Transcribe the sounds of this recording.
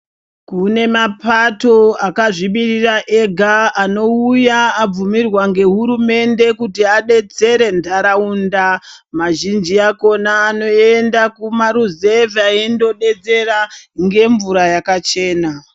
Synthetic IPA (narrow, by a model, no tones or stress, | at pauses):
kune̞mapato̞akaʐimiriraʔe̞ɡʱaːno̞ujaːb͡vumirwaŋɡe̞ɦuɾume̞nde̞kutiaɗe̞d͡ze̞ɾe̞ndʱaɾaunda | maʒind͡ʒiako̞naːno̞endakumaɾuze̞vaendo̞ɗe̞d͡ze̞raŋɡe̞ɱvuɾajakat͡ʃe̞ːna